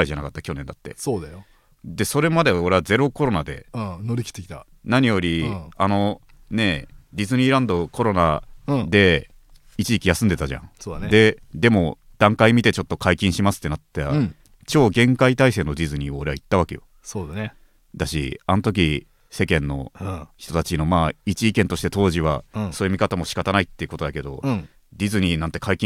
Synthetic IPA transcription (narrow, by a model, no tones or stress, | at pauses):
aiʑanakat̪ːakʲo̞nẽ̞nd̪at̪ːe̞̰soːd̪ajo | d̪e̞so̞ɾe̞mad̪e̞o̞ɾe̞βaze̞ɾo̞ko̞ɾo̞nad̪ẽ̞̰noɾʲikʲi̥t̪ːekʲi̥t̪a | naɲ̟ijo̞ɾʲiano̞ | ne̞ɾʲizɨɲ̟iːɾãnd̪o̞ko̞ɾo̞nãd̪e̞ | it͡ɕiikʲijasɨ̃nd̪e̞t̪aʑã̰ŋsoːd̪and̪e̞d̪e̞mo̞ | d̪̥ãŋkaimʲit̪e̞t͡ɕo̞t̪ːo̞kʰaikʲĩɕimasɨ̥t̪ːe̞nat̪ːa | t͡ɕo̞ːɡẽ̞ŋkait̪aise̞ːno̞d̪ʲizɨɲ̟iːoːɾe̞ait̪ːaβake̞jo̰ | soːd̪ae | d̪aɕḭanot̪o̞k̬ʲi | se̞kẽ̞nːo̞̰çi̥t̪o̞t̪at͡ɕino̞maːit͡ɕiːkẽ̞nt̪o̞ɕi̥t̪e̞t̪o̞ːʑiβaso̞ːjɯmʲikat̪amo̞ɕi̥kat̪anait̪ːeiɯ̟ko̞t̪od̪ake̞d̪o̞̰ | d̪ʲizɨɲ̟ʲiːnãnt̪ekʰaikʲĩ